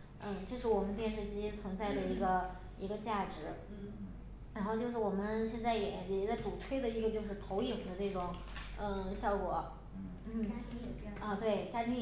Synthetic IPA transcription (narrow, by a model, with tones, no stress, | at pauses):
n̩˥˩ʈ͡ʂʂɻ̩˥˩wɔ˨˩mə˦nt̪̬jɛ˥˧nʂɻ̩˥˩˧t͡ɕi˥t͡sʰwɤ˧˥ŋt͡sa˥˩ɪd̪ə˩i˧˥ɡə˧ | i˧˥ɡə˧t͡ɕja˥˩ʈ͡ʂɻ̩˧˥ | ɻa˧˥xʊt͡ɕjo˥˧ʊʂɻ̩˥˩wɔ˨˩mə˦nɕjɛ˥˧nt͡sa˥˩ɪjɛ˧˩˥jɛ˧˥˩t͡sa˥˩ɪʈ͡ʂu˨˩t͡sʰwe˥ɪd̪ə˧˨i˧˥ɡə˧t͡ɕjo˥˧ʊʂɻ̩˥˩t̪ʰo˧˥ʊji˨˩ŋd̪ə˦ʈ͡ʂe˥˩ɪʈ͡ʂʊ˨˩˦ŋ | ə˥˧˩ɕjɑ˥˩ʊkwɔ̰˨˩˦ | n̩˥˩˥ə˥˧t̪we˥˩ɪt͡ɕja˥˧˩t̪i˥